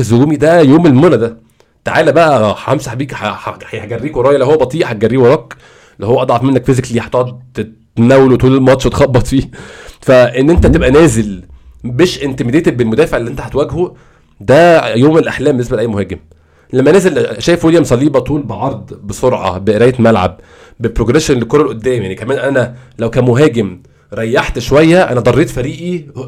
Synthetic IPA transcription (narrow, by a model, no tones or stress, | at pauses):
zoɡuːmid̪æjoːmelmonæd̪æ | t̪aʕaːlæbæʔæħhæmsæħbiːkħħjħɡærːiːkwɑɾˤɑːjælæhowːæbɑt̪ˤiːʔħæt̪̚ɡærːiːwɑɾˤɑːk | læhowːæʔɑd̪ˤʕɑfmenːækfizekliːħt̪ɑːd̪t̪e | næwelwet̪uːlelmɑt̪ʃt̪xɑbːɑt̪ˤfiːfæʔenːʔent̪æt̪ebʔænæːzel | beːʃʔent̪emed̪ejt̪belmod̪æːfeʕelːiʔent̪æhæt̪wæɡhu | d̪æjoːmelʔaħlæːmbenesbælʔæjmohæːɡem | læmːænæːzelʃæːjefweljæmsˤɑliːbɑt̪uːlbeʕɑɾˤd̪ˤbesoɾʕɑ̰beʔeɾæːjet̪mælʕa̰b̚ | bepɾoɡɾeʃenlekoɾˤɑlʔod̪ːæːmjanikæmæːnʔænælæwkæːmoɦæːɡem | ɾˤɑjːaħt̪ʃwæjːæʔæ̰næd̪ˤɑrˤːeːt̪fæɾiːʔi